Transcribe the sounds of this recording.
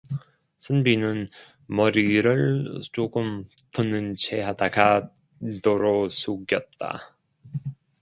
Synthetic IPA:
sʰɯnbinɯn | mʌɾiɾɯɭt͡ɕoɡɯmtɯnːɯnt͡ɕʰeɦadaɡa | doɾos͈ʰuɡjʌt̚t͈a̰

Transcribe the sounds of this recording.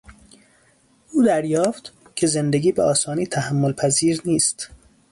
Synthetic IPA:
uːd̪æɾjɒːft̪ | cʰe̞zend̪eɡʲiːbeʔɒːsɒːniːt̪ʰæhæmːolpʰæziːɾniːst̪

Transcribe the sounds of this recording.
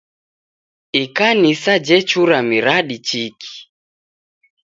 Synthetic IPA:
ikanisad͡ʒɛt͡ʃuɾamiɾaɗit͡ʃikʰi̥

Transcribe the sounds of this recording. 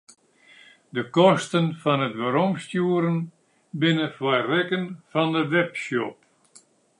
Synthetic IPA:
dəkɔstənfɔnətʋəɾɔmstjuəɾən | bɪnəfwajrɛkənfɔndəʋɛpsjɔp̚

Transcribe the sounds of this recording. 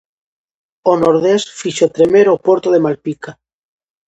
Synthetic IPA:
onoɾðesfiʃot̪ɾemeɾopwoɾt̪oðe̞malpika

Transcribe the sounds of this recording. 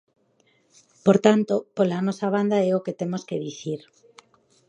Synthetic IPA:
poɾt̪ant̪opolanɔsaβ̞and̪aɛoket̪emoskeðiθiɾ

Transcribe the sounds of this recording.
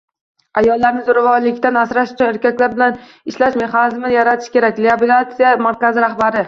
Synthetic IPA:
ajɒlˠːaɾnɪzʊɾavɒɾlɪkʲt̪anasɾaʃʊ̥t͡ʃʰʊneɾkʲakʲlaɾbɪlan | ɪʃlaʃme̞χanɪzmɪnjaɾat̪ʰɪ̥ʃkʲe̞ɾak̚ʲleabilʲˠat̪sijamaɾkʲazɪɾahbaɾɪ

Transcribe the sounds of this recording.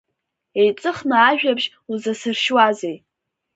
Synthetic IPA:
ejt͡sʼɨχnaːʒᶣabʒ | uzasɨrʃwazej

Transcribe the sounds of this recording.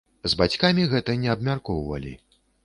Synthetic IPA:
zbat͡sʲkamʲiɣɛt̪ɐnʲɛɐbmʲarkɔwvɐ̰lʲḭ

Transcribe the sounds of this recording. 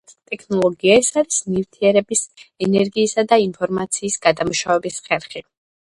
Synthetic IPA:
t̪ʼɛkʰnɔlˠɔɡiaɛsaɾismift̪ʰiɛɾɛbisɛnɛɾɡiːsad̪ainpʰɔɾmat̪sʰiːsɡ̥ad̪amuʃavɛbisχɛɾχi

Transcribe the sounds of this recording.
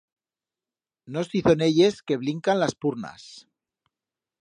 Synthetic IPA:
no̞siθo̞ne̞ʎe̞ske̞βliŋkanlaspuɾna̰s

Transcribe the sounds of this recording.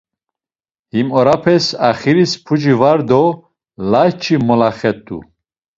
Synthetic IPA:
himɔɾapʰɛsaχiɾispʰud͡ʒivaɾd̪ɔ | lajt͡ʃʰimɔlaχɛt̪ʼṵ

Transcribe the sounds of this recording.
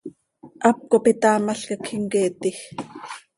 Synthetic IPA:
ʔɑp̚kopit̪ɑːmaɬkakʰiŋkeːt̪ix

